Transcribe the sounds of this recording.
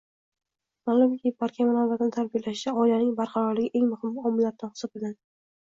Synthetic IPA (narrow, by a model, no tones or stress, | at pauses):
malˠʊmʲep̚baɾkʲʰamanaɾvat̪ʰanɪt̪ʰalbijalaʃɪt͡ʃʰaɒɪlanɪŋbaɾqʰɑɾɒɾlɪɡʲɪʔe̞ŋmʊhɪmɒmɪlːaɾ̚t̪anhɨ̥sɒpɪlɡʲan